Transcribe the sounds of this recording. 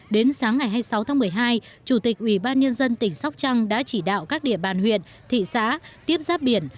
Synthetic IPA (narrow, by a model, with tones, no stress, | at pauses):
ɗe˨˦nsaː˨˦ŋːa˨˩jɦaː˧jsa˨˦wt̪ʰaː˨˦ŋmɨ˨˩əjɦaː˧j | t͡ɕu˧˩t̪i˨˩k̟̚ʔwi˧˩ɓaː˧nɲə˧nzə˧nt̪ï˧˩ŋ̟sa˦˥wk͡p̚t͡ɕa˧ŋɗa̰ː˧˥t͡ɕi˧˩ɗa̰ː˧˨wkaː˦˥k̚ɗḭ˧˨əɓaː˨˩nhwḭ˧˨ən | t̪ʰḭ˧˨sa̰ː˧˥t̪i˦˥əp̚zaː˦˥p̚ɓi˧˩ən